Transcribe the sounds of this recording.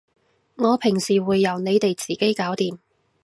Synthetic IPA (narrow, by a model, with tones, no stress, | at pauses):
ŋɔː˨˧pʰɪ˨˩ŋsiː˨˩wuː˨˧jːɐ˨˩wne˨˧jt̪e˨jt͡siː˨ke˥jkaː˨˥wt̪iː˨m